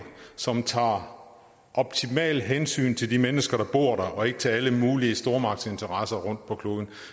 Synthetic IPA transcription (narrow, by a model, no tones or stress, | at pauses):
sɒ̽mt͡sʰɑ̰̈ː | ʔɒ̽b̥̚t͡sʰimɛ̰ːlɦensy̰ːnt͡sʰe̝ld̥imenəsɡ̥ɐɾ̥ɑ̈b̥o̝ɐ̰ɾ̥ɑʔɒ̽e̝ɡ̥ət͡sʰe̝æləmuːliəsd̥o̝ɐmɑ̈ɡ̥̚se̝nt͡sʰɐʁɑsɐʁɔ̽n̰d̥̚pʰɒ̽kʰlo̝ːðˠn̩